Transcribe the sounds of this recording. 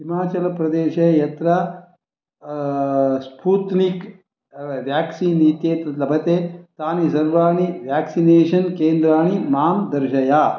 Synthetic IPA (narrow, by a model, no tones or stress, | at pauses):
ɦimaːt͡ʃɐlɐpɾɐd̪eːʃɐjɐt̪ɾɐ | spuːt̪nik | ʋjaːksiːniːt̪jeːt̪ɐlɐbʱɐt̪eːt̪aːnisɐɾʋaːɳ̃iʋjaːksineːʃɐnkeːnd̪ɾaːɳ̃imaːnd̪ɐɾʃɐjaː